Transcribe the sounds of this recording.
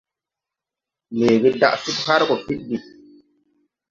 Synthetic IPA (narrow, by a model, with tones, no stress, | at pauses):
leː˨ɡɛ˦da˦ʔsu˦tha˦ɾkɔ˨fi˦ɗdi˨